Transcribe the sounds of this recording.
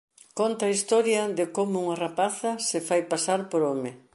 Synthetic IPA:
kont̪ɐaːist̪ɔɾjɐðɪkomʊuŋarapaθɐsɪfajpasaɾpoɾɔmɪ

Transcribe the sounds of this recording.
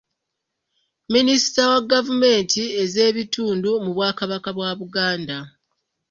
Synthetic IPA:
ministawaɡːavume̞ːntʰie̞ze̞ːβitʰuːndumuβwaːkaβakaβwaβuɡaːnda

